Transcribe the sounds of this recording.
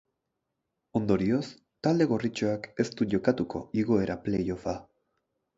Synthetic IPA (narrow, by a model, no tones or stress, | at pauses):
o̞nd̪o̞ɾio̞s | t̪ald̪e̞ɣ̞orit͡ʃoake̞st̪uʝo̞kat̪uko̞̰iɣo̞e̞ɾʔaple̞jo̞fa